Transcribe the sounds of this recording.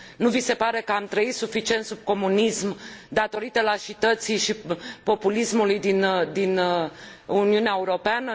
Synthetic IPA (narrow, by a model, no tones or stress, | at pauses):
nuvise̞paɾe̞kəamt̪ɾəit̪sufit͡ʃie̞nt̪sub̚ko̞munismd̪at̪o̞ɾit̪əlaʃit̪ət̪sijʃipo̞pulismulujd̪ind̪in | uniuneaeuɾo̞peanə